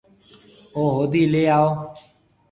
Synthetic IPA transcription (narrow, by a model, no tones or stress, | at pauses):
oːɦoːd̪iːleːaːoː